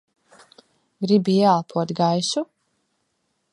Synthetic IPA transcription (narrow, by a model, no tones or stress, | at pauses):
ɡɾibijaːpʰuɔt̪ɡajsu